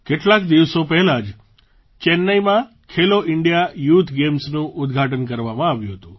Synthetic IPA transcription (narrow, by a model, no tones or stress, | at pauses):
keʈlakd̪iʋsopɛɦɛlad͡ʒ | t͡ʃɛnːəjmã | kʰeloʔɪɳɖijajut̪ʰɡemsnũʔʊd̪ɡʱaʈənkəɾʋamãaʋjũɦət̪ṵ̃